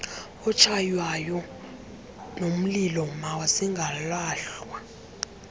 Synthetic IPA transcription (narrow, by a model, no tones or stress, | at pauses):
ɔt͡ʃʰajwajɔ | nom̩lilɔmawasiŋɡʱalaːɬwa